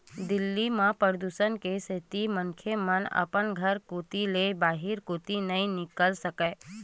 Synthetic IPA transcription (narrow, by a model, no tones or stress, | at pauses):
d̪ɪlːimãpəɾd̪usənkesɪt̪imənkʰemənə̰pənɡʱəɾkoːt̪ilebaːɦɪɾkoːt̪inɐĩnɪkəlsəkeː